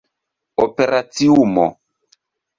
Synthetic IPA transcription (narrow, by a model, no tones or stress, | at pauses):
ɔpeɾatiumɔ̰